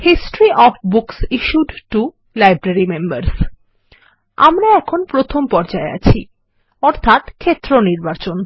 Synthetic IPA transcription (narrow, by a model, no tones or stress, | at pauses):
hisʈoɾiʔɔfbuksiʃuɖʈu | lajbɾaɾimembaɾs | a̰mɾaɛkʰonpɾot̪ʰompɔɾd͡ʑaea̰t͡ɕʰi | ɔɾt̪ʰat̪kʰet̪ːɾoniɾbat͡ɕon